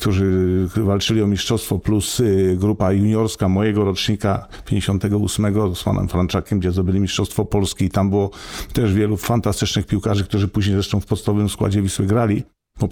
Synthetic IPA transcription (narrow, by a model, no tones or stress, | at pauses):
kt̪ʰuʐɘvalt͡ʂɘlʲiɔmʲiʂʂɔst̪fɔplusɡɾupajuɲɔɾskamɔjɛɡɔɾɔt͡ʂɲika | pʲjeɲd͡ʑeɕɔ̃nt̪ɛɡɔusmɛɡɔspa̰nɛ̰mfɾant͡ʂakʲɛmɡd͡ʑɛzd̪ɔbɘlʲimʲiʂtt͡ʂʂɔst̪fɔpɔlskʲiːt̪ambɘwɔt̪ɛʐvʲjɛlufant̪ast̪ɘt͡ʂnɘxpʲiwkaʐɘk̚t̪uʐɘpuʑɲejzɾɛʂt̪ɔ̃w̃fpɔt̪st̪aɔvɘmskwa̰d͡ʑɛvʲiswɘɡɾalʲi | bɔ